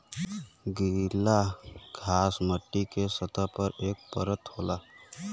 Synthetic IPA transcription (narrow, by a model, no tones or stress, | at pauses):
ɡilaɡʱaːsməʈːikesət̪apəɾeːk̚pəɾət̪ɦoːlaː